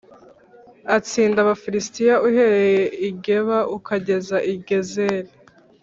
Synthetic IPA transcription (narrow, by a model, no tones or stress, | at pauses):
at͡siːndaβafiɾistijaʔuhe̞ɾe̞jeiɟe̞βaʔukaɟe̞zaʔiɡe̞ze̞ːɾe